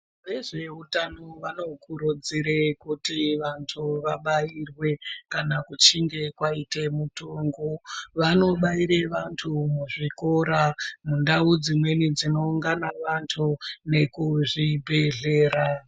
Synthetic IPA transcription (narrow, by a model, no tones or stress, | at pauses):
ʋe̞ʐe̞utanoʋano̞kuɾud͡ziɾekutiʋantʰuʋaɓairwe̞kanakut͡ʃiŋɡe̞kwaitemutuŋɡoʋano̞ɓaiɾeʋantʰumuʐiko̞ɾamundaud͡zimwe̞nid͡zino̞uŋɡanaʋantʰune̞kuʐibʱe̞ɮe̞ːra